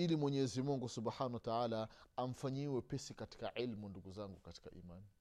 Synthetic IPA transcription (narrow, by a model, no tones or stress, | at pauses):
ilimwɛɲɛzimuŋɡusubħanawataʕaːlaam̩faɲiwɛpɛsikati̥kaʕilmunduɡuzaŋɡukati̥kaʔḭmaːni